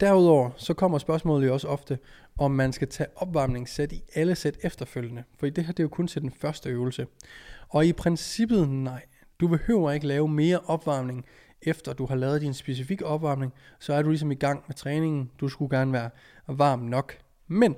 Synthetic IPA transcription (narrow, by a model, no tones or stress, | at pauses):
d̥æɐuðˠɒʊ̰ɐsɒ̽kʰɒ̽m̰ɐsb̥ɶɐsmɔ̰̽ːl̩ˠjoɒ̽səɒ̽fd̥ə | ʔɒ̽mːænsɡ̥æt͡sʰɛ̰ːʔɒ̽b̥ʋɑ̈mne̝ŋsed̥iʔæləsed̥efd̥ɐføl̰jənəfɒdḭːd̥e̝ɦæɐd̥e̝jokʰɔ̽nt͡sʰe̝ld̥enfɶɐsd̥əøːʊl̩səɒ̽ipʰʁɛnsib̥ð̞̩ˠnɑ̈ɪ̰ | d̥ub̥e̝hø̰ʊ̰ɐe̝ɡ̥əlɛːʊəme̝ːɐʔɒ̽b̥ʋɑ̈ːmne̝ŋ | efd̥ɐd̥uhɑ̈lɛːð̞̩ˠd̥insb̥e̝s̬ifiɡ̥əɒ̽b̥ʋɑ̈ːmne̝ŋsɒ̽æɐd̥ulis̬ɒ̽miɡ̥ɑ̈ŋ̰met͡sʰʁɛːne̝ŋn̩d̥usɡ̥uɡ̥æɐnəʋæːɐ | ʋɑ̈ːmnɒ̽ɡ̥ | men